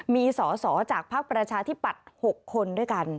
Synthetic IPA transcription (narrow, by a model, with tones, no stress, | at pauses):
miː˧sɔː˩˦sɔː˩˦t͡ɕaː˨˩k̚pʰa˦˥k̚pɾa˧t͡ɕʰaː˧t̪ʰi˦˥˩pːa˨˩t̪̚ho˨˩kʰːo˧ndu˥˩jka˧n